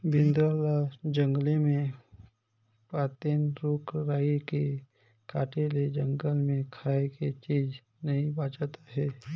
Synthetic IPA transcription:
bɪ̃nd̪ɾalad͡ʒə̃ŋɡlemẽ | paːt̪enɾuːkɾaːike | kaːʈeled͡ʒə̃ŋɡəlmẽkʰaːeket͡ʃiːd͡ʒ | nɐɦĩbaːt͡ʃat̪aɦɛː

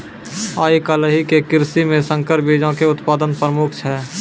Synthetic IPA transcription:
aːikaləɦikekɪɾsimẽsə̃ŋkəɾbiːd͡ʒãkeʊt̪paːd̪ənpɾəmʊkʰt͡ʃʰɛː

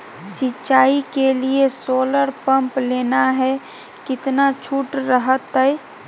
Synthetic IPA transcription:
sɪtːʃaːikeliesoːləɾpə̃mpleːnaɦɛ | kɪt̪nat͡ʃʰuːʈɾəɦət̪ɦɛɛ

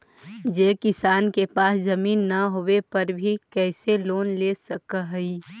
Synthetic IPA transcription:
d͡ʒeːkɪsaːnkepaːsd͡ʒəmiːnːɐɦowepɐɾbʱikɛːseloːnleːsəkɦi

